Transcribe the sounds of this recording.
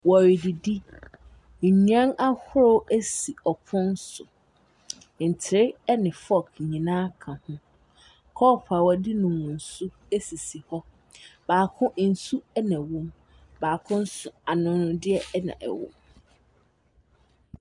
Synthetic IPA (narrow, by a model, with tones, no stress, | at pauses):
wɔ˨ɾɪ˨di˨di˦˨ | ɲ˦ã˦na˦hʊ˦ɾo˦ʔæ˦si˨ɔ˨pʰʊ̃˦n˦sʊ˨ | n̩˨tʰɪ˨ɾɪ˦ɛ˦nɪ̃˨fɔ˦˨kɲĩ˨nãː˦kʰã˨hʊ̃˦ | kʰɔ˦˨pʰa˨wɔ˨di˦nʊ̃˨wʊ̃˨n̩˨su˦ | e˦si˨si˨hɔ˦ | baː˨kʰʊ̃˦n̩˨su˦ɛ˦næ̃˨wʊ̃˦m | baː˨kʰʊ̃˦n̩˦sʊ˨a˨nʊ̃˨nʊ̃˨dɪ˦ɛ˦nã̰˨ʔɛ̰˨wʊ̰̃˨m